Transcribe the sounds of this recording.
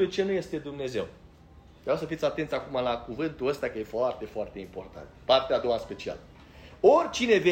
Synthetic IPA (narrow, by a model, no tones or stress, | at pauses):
ujt͡ʃe̞nuje̞st̪e̞d̪umne̞ze̞̰w | vɾʲawsəfit̪sʲat̪e̞nt̪sʲakumalakuvɨnt̪uəst̪akəje̞foart̪e̞foart̪e̞impo̞̰rt̪a̰nt̪part̪ead̪o̞waɨnspe̞t͡ʃia̰l | o̞rʲt͡ʃine̞ve